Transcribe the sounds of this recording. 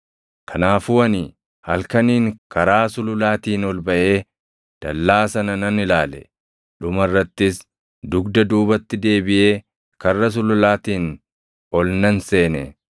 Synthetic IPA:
kʰɐnaːfʊwɐnɪ | hɐlkɐniːŋkɐɾaːsʊlʊlaːt̪iːnɔlbɐʔe̞ː | d̪̥ɐ̰lːaːsɐnɐnɐnɪlaːlɛ̰ | ᶑʊmɐrːɐt̪ːɪs | d̪ʊɡd̪ɐd̪uːbɐt̪ːɪd̪e̞ːbɪʔe̞ː | kɐrːɐs̬ʊlʊlaːt̪iːn | ɔlnɐnse̞ːnɛ

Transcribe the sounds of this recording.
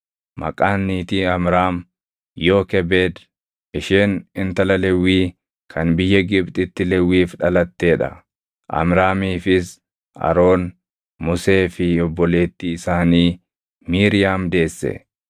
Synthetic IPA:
mɐ̰kʼaːnːiːt̪iːɐmɾaːm | joːkɛbe̞ːd̪ | ʔɪʃeːnɪnt̪ɐlɐlɛwːiː | kʰɐnbɪjːɐɡɪbt̪ʼɪt̪ːɪlɛwːiːfᶑɐlɐt̪ːe̞ːᶑɐ̰ | ʔɐ̰mɾaːmiːfɪs | ʔɐ̰ɾo̞ːn | mʊse̞ːfɪɔbːɔle̞ːt̪ːiɪsaːniː | miːɾɪjaːmd̪e̞ːsːɛ̰

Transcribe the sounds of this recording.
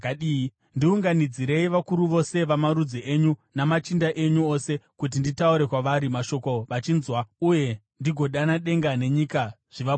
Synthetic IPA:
aɗi | ndiuŋɡanid͡ziɾe̞iʋakuɾuʋo̞se̞ʋamaɾud͡ziʔeɲunamat͡ʃindaʔe̞ɲuo̞se̞kut̬inditauɾe̞kwaʋaɾimaʃo̞ko̞ʋat͡ʃinzwauje̞ | ndiɡʱo̞ɗanaɗe̞ŋɡane̞ɲika | ʐ̥iʋa

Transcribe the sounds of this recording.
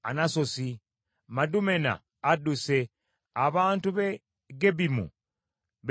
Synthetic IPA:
a̰nasosi | madumena̰ː | duse | aβaːntuβe | ɡeβimṵ | β

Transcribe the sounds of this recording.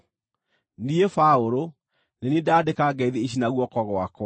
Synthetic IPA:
niefaoɾo | nenedadekaɡɛiðeiɕinaɣwɔkɔɣwakw

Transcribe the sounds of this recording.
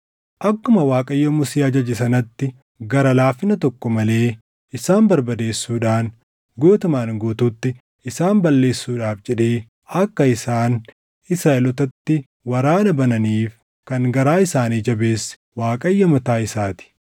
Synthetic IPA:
ʔɐkːʊmɐwaːkʼɐjːɔmʊsiːɐd͡ʒɐd͡ʒɪsɐnɐt̪ːɪ | ɡɐɾɐlaːfːɪnɐt̪ɔkːɔmɐle̞ː | ɪsaːmbɐɾbɐd̪e̞ːsːuːᶑaːn | ɡoːt̪ʊmaːnɡoːt̪uːt̪ːɪ | ɪsaːmbɐlːe̞ːsːuːᶑaːfd͡ʒɛᶑeː | ɐkːɐɪsaːn | ɪsɾaːʔɛlɔt̪ɐt̪ːɪ | wɐɾaːnɐbɐnɐniːf | kɐŋɡɐɾaːɪsaːniːd͡ʒɐbe̞ːsɪ̥waːkʼɐjːɐmɐt̪aːɪsaːt̪ɪ̥

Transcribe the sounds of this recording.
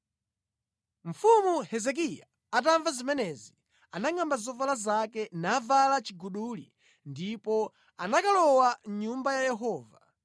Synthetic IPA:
ɱ̩fumuhɛzɛk̬ija̰ | at̬aɱvazimɛnɛzi | anaŋambazɔvalazakɛnavalat͡ʃiɡuɗulḭ | ndipɔ | anakalɔwaɲumbajajɛɦɔːva

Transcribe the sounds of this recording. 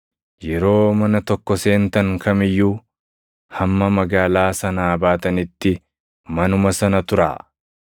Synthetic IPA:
jɛɾo̞ːmɐnɐt̪ɔkːɔse̞ːnt̪ɐŋkɐmɪjːuː | hɐmːɐmɐɡaːlaːsɐnaːbaːt̪ɐnɪt̪ːɪ | mɐnʊmɐsɐnɐt̪ʊɾa̰ː

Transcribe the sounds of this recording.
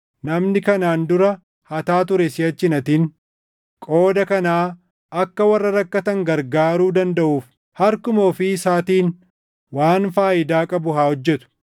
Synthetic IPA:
nɐmnɪkɐnaːnd̪ʊɾɐ | hɐt̪aːt̪̬ʊɾɛsɪjɐt͡ʃːɪnɐt̪iːn | kʼo̞ːd̪ɐkɐnaː | ɐkːɐwɐrːɐɾɐkːɐt̪ɐŋɡɐɾɡaːɾuːd̪ɐnd̪ɐʔuːf | hɐɾkʊmoːfɪsaːt̪iːn | waːnfaːʔɪd̪aːkʼɐbʊɦaːhɔd͡ʒːɛt̪ʊ̥

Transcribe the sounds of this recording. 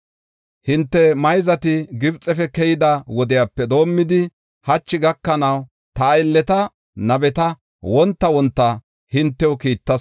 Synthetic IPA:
hɪnt̪ːɛmɐjzɐt̪ɪɡɪbt͡sʼːɛfɛkɛjɪd̪ɐwɔd̪ɪjaːpːɛd̪o̞ːmːɪd̪ɪ | hɐt͡ʃːɪɡɐkːɐnɐw | t̪ɐːɪlːɛt̪ɐ | nɐbɛt̪ɐ | wɔnt̪ːɐwɔnt̪ːɐ | hɪnt̪ːɛɔkiːt̪ːɐs

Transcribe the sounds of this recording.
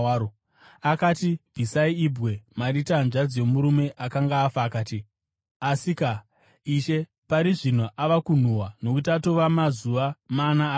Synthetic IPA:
o | akaːtivʱisaiibɣe̞maritanʐad͡zje̞muɾume̞ʔakaŋɡaːfaːkaːti | asika | iʃe̞ | paɾiʐin̤uʔaʋakun̤uwano̞kut̬ato̞ʋamazuʋamana

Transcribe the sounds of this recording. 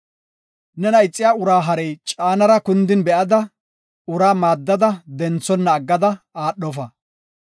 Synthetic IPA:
nɛnɐɪt͡sʼːɪjaːʊɾaːɦɐɾɛjt͡ʃʼaːnɐɾɐkʊnd̪ɪnbɛʔɐd̪ɐ | ʊɾaːmaːd̪ːɐd̪ɐd̪ɛnt͡sːɔnːɐːɡːɐd̪ɐ | aːɗːɔfɐ

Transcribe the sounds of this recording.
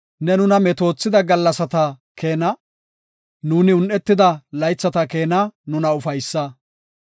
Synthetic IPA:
nɛnʊnɐmɛt̪o̞ːt͡sːɪd̪ɐɡɐlːɐsɐt̪ɐ | kʰe̞ːnɐ | nuːnɪʊnʔɛt̪ːɪd̪ɐlɐjt͡sːɐt̪ɐke̞ːnɐnʊnɐʊfɐjsːɐ

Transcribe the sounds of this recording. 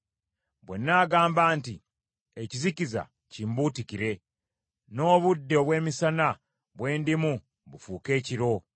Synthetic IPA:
βwe̞̰nːaːɡaːmbaːnti | eciziciza̰ | cimbuːtikiɾe̞ | no̞ːβudːeoβwe̞ːmisana | βwe̞ːndimu | βufuːke̞ːciɾo̞

